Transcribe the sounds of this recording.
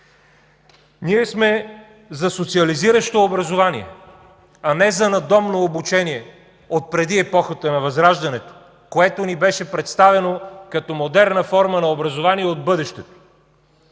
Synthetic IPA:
niɛsmɛ | zɐsot̪siɐliziɾəʃt̪oːbɾɐzovanḭɛ̰ | ɐnɛzɐnɐd̪ɔmnoːbut͡ʃɛniɛ | ot̪̚pɾɛd̪iɛpɔxət̪ənɐvɐzɾaʒd̪ɐnɛt̪o̥ | koɛt̪onibɛʃɛpɾɛt̪st̪avɛnokɐt̪ɔmod̪ɛɾnəfɔɾmənɐobɾɐzovaniɛod̪̚bɤd̪ɛʃt̪ɛt̪o̥

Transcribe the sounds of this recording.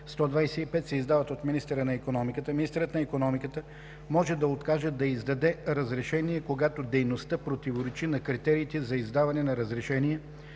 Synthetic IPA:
st̪ɔd̪vajsɛipɛt̪sɛizd̪avət̪ot̪minist̪ɛɾənɐikonɔmikət̪əminist̪ɛɾət̪nɐikonɔmikət̪ə | mɔʒɛd̪ɐot̪kaʒɛd̪ɐizd̪ɐd̪ɛɾɐzɾɛʃɛnijɛkoɡat̪od̪ɛjnost̪əpɾot̪ivoɾɛt͡ʃinɐkɾit̪ɛɾiːt̪ɛzɐizd̪avɐnɛnɐɾəzɾɛʃɛniɛ

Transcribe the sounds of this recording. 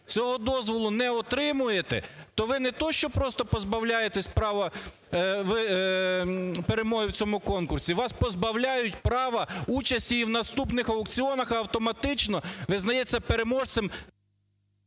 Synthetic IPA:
t͡sʲɔɦɔd̪ɔzʋɔlˠʊnɛɔt̪ɾɪmʊjet̪ɛ̰t̪ɔʋɪnɛt̪ɔʃt͡ʃɔpɾɔst̪ɔpɔzbɐwlʲajet̪ɛsʲpɾɑʋɐ | ʋɪ | peɾemɔɦɪwt͡sʲɔmʊkɔnkʊrsʲiʋɑspɔzbɐwlʲajʊtʲpɾɑʋɐut͡ʃɐsʲtʲiiwnɐst̪upnɪxɐwkt͡sʲiɔnɐxɐɐwt̪ɔmɐt̪ɪt͡ʃnɔʋɪznɐjɛt͡sʲːɐpeɾemɔʒsɪm

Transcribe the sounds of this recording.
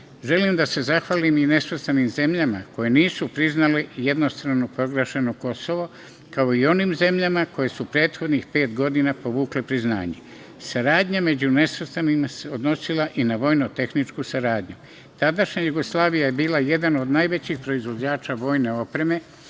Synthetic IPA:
ʒe̞limd̪ase̞zaxʋalimine̞sʋəst̪animze̞mʎama̰ko̞je̞niːsupɾiznaleje̞d̪no̞st̪ɾaʋnopɾo̞ɡɾeʃenoko̞so̞ʋo̞ | kao̞io̞nimze̞mʎamako̞jesupɾe̞ːt̪xo̞d̪nixpe̞ːt̪ɡo̞d̪inapo̞ʋuːkle̞pɾizna̰ːɲe̞̰ | saɾaːd̪ɲame̞d͡ʑune̞sʋst̪animase̞o̞d̪no̞silaʔinaʋo̞ːjnot̪e̞xnit͡ʃkusaɾaːd̪ɲu | t̪ad̪aʃɲajuɡo̞slˠaːʋijaje̞biːlaje̞d̪ano̞d̪najʋe̞t͡ɕixpɾo̞izʋo̞d͡ʑaːt͡ʃaʋo̞ːjne̞o̞pɾe̞me̞

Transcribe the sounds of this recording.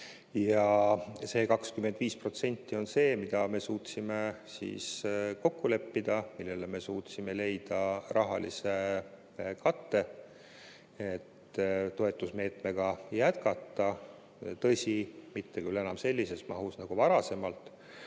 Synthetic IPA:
jɑse̞ːkɑkskymed̪̥viːspro̞t̪se̞nʲt̪ˑːio̞nse̞ːmid̪̥ɑme̞suːt̪sime̞sḭːsko̞kːole̞pːid̪̥ɑmilːe̞leme̞suːt̪simele̞jd̪̥ɑrɑɦɑ̰lḭse̞ | kɑt̪ːe̞ | et̪ː | t̪ːo̞e̞t̪ːˑusme̞ːt̪me̞ɡ̥ɑjæt̪̚kɑt̪ːˑɑ | t̪ɤ̞sʲimit̪ːe̞kylːe̞nɑmse̞lʲːise̞smɑɦusnɑɡ̥uvɑɾɑse̞mɑlt̪

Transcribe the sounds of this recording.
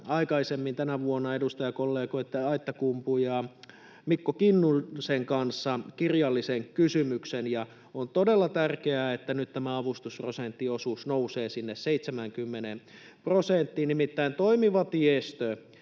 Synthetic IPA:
ɑikɑisemːint̪ænæʋuonːɑedust̪ɑjɑkolːeːkoit̪ːeɑit̪ːɑkumpujɑː | mikːokinːuseŋkɑnsːɑkirjɑlːiseŋkysymyksenjɑ | ont̪odelːɑt̪ærkeæet̪ːænyt̪t̪æmæɑʋust̪usprosent̪ːiosuːsnouseːsinːesseit̪semæŋkymːenem | prosent̪ːinnimit̪ːæint̪oimiʋɑt̪iest̪ø

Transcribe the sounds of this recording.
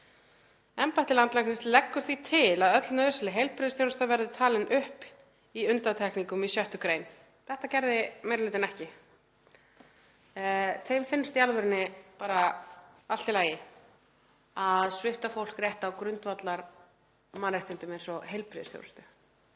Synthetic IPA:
ɛmpajht̪ɪlant̪laknɪst̪lɛkːʏɾ̥θvit̪ʰɪlaðœt̪lnœðʏsɪlɪɦejlpɾɪðɪsθjownst̪avɛɾðɪt̪ʰaːlɪnʔʏhp | iʏnt̪at̪ʰɛhkniŋkʏmisjœht̪ʏkɾejn | θɛht̪acɛɾðɪmejɾlɪːt̪ɪnɛhcɪ | θejmfɪnʏst̪ialvʏɾɪnːɪpaːɾa | al̥t̪ɪlaːjɪ | aðsvɪft̪afowl̥krjɛht̪awkɾʏnt̪vat̪laɾ | manrejht̪ɪnt̪ʏmɛnsɔɦejlpɾɪðɪst̪θjo̰wɾst̪ʏ

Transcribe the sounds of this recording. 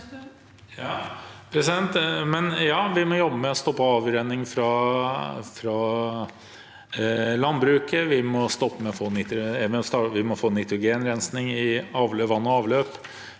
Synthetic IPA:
jɑpʰɾɛsɪd̪ɛnt̪mɛnjɑːʋɪmɔjɔbːəmɛɔst̪ɔpːəɑːʋɾɛnːɪŋfɾɑ | fɾɑ | lɑnbɾʉːkəʋɪmɔst̪ɔpːəmɛɔfoːnɪt̪ɾʊmɔst̪ɑːʋɪmɔfoːnɪt̪ɾʊɡeːnɾɛnsnɪŋɪɑːʋløʋɑnːɔɑːʋløːp

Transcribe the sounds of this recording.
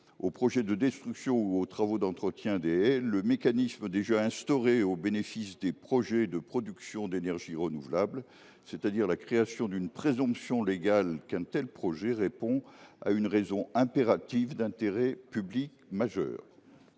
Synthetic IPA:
opχɔʒɛd̪əd̪ɛst̪χyksjɔ̃uot̪χavod̪ɑ̃t̪χət̪jɛ̃d̪eɛləmekanisməd̪eʒaɛ̃st̪ɔʁeobenefisd̪epχɔʒɛd̪əpχɔd̪yksjɔ̃d̪enɛʁʒiʁənuvlabl | set̪ad̪iʁlakχeasjɔ̃d̪ynpχezɔ̃psjɔ̃leɡalkɛ̃t̪ɛlpχɔʒɛʁepɔ̃a̰ynʁezɔ̃ɛ̃peʁat̪ivd̪ɛ̃t̪eʁɛpyblikmaʒœ̰ːʁ

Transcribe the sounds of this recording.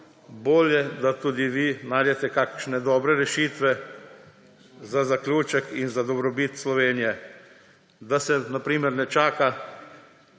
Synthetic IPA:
boːljɛd̪at̪uːd̪iʋinajd̪ɛt̪ɛkakʃnɛd̪ɔːbɾɛɾɛʃiːt̪ʋɛ | zazaklʲuːt͡ʃɛkinzad̪ɔbɾɔbiːt̪slɔʋeːnijɛ | d̪asɛnapɾiːmɛɾnɛt͡ʃaːka

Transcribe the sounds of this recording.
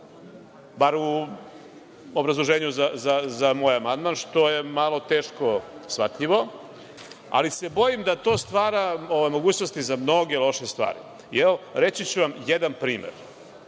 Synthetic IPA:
baːɾu | obɾazlˠoʒeːɲuzazazamo̞ːjamand̪manʃt̪o̞je̞malo̞t̪e̞ːʃko̞sʋat̪ʎiʋo̞ | a̰lise̞bo̞jimd̪at̪o̞ːst̪ʋaːɾaoʋajmo̞ɡuːt͡ɕno̞st̪izamno̞ɡe̞lˠo̞ʃest̪ʋa̰ːɾḭ | eoɾe̞t͡ʃit͡ɕuʋamjed̪anpɾiːmḛɾ

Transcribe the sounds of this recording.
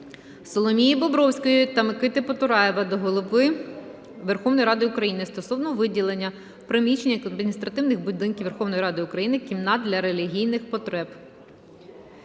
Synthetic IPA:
sɔlˠɔmʲijibɔbɾɔwsʲkɔjit̪ɐmekɪt̪ɪpɔt̪ʊɾɑjeʋɐd̪ɔɦɔlˠʊpɪ | ʋerxɔwnɔjɾɑd̪ɪʊkɾɐjinɪst̪ɔsɔwnɔʋɪdʲilˠenʲːɐ | pɾɪmʲit͡ʃenʲːɐɐd̪mʲinʲist̪ɾɐt̪ɪwnɪxbʊd̪ɪnkʲiwʋerxɔwnɔjiɾɑd̪ɪʊkɾɐjinɪkʲimnɑd̪̚d̪ʲlʲɐɾelʲiɦʲijnɪxpɔt̪ɾɛb

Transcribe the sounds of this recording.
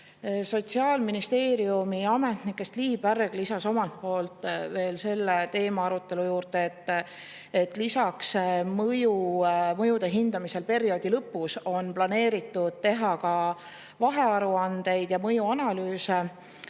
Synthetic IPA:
so̞t̪siɑːlminist̪e̞ːɾiumiɑme̞t̪nikːˑe̞st̪liːb̥ærɡ̥lisɑso̞mɑlt̪̚po̞ːlt̪ˑve̞ːlse̞lːet̪e̞ːmɑɑɾut̪ːˑe̞lujuːɾd̪̥eet̪ːˑ | et̪ːˑlisɑksmɤjumɤjud̪̥e̞ɦind̪̥ɑmise̞lpe̞ɾio̞ːd̪̥ilɤpːuso̞nplɑne̞ːɾit̪ˑːud̪̥̚t̪e̞ɦɑkɑ | vɑɦe̞ɑɾuɑnd̪e̞jd̪̥jɑmɤjuɑnɑlyːse

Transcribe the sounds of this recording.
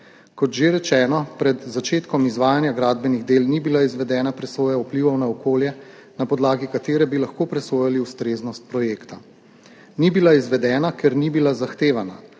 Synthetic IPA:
kɔt̪ʒeɾɛt͡ʃɛːnɔpɾɛd̪zat͡ʃeːt̪kɔmizʋaːjanjaɡɾaːd̪bɛniɣd̪eːlnibilaizʋɛd̪ɛːnapɾɛsoːjaupliʋɔwnaɔkoːljɛ | napɔd̪laːɡikat̪eːɾɛbilaxkopɾɛsoːjaliust̪ɾeːznɔst̪̚pɾɔjeːkt̪a | nibilaizʋɛd̪ɛːnakɛɾnibilazaxt̪eːʋana̰

